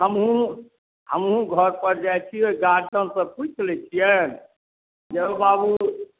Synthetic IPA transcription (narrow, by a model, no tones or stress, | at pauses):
ɦəmɦũ | həmɦũɡʱəɾpəɾd͡ʒajt͡ʃʰioɡaɾd͡ʒənsəput͡ʃlɛt͡ʃʰijən | d͡ʒebabu